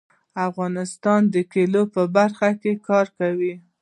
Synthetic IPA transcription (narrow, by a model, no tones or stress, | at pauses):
afɣɑnɪst̪ɑnd̪əkelopəbaɾxakekɑɾkawi